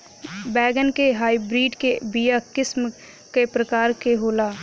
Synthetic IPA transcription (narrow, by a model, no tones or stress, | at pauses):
bɛːɡənkeɦaːibɾiːɖkebijakɪsm | kepɾəkaːɾkeɦoːlaː